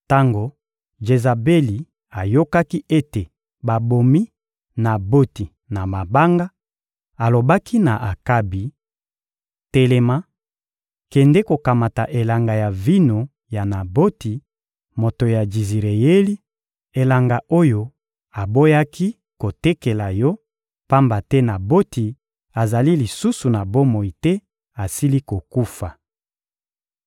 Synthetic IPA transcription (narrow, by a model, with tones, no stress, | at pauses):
ta˦ŋɡo˨ | ʒe˨za˨be˦li˨ | a˨jo˦ka˦ki˦ʔe˦te˨ | ba˨bo˨mi˦ | na˨bo˦ti˨ | na˨ma˨ba˦ŋɡa˦ | a˨lo˨ba˦kʰi˦na˨ʔa˨ka˦bi˨ | te˨le˨ma˦ | kɛ˨ndɛ˦ko˨ka˨ma˨ta˨ʔe˨la˨ŋɡa˨ja˨vi˦no˨ | ja˨na˨bo˦ti˨ | mo˨to˨ja˨d͡ʒi˨zi˨ʁe˨je˦li˦ | e˨la˨ŋɡa˨ʔo˦jo˨ | a˨bo˦ja˦ki˦ | ko˨te˦ke˨la˨jɔ˦ | pa˦mba˨tɛ˦na˨bo˦ti˨ | a˨za˨li˦li˨su˦su˨na˨bo˦mo˨i˨tɛ˦ | a˨si˦li˦ko˨ku˦fa˨